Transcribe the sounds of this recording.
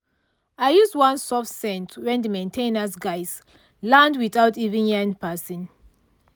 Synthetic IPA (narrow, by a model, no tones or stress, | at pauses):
aɪjuzdwãnsɔfsɛ̃ntwɛ̃ndəmẽntʰẽnasɡaɪs | lãndwiθawtivĩnɛ̃npasɔ̃n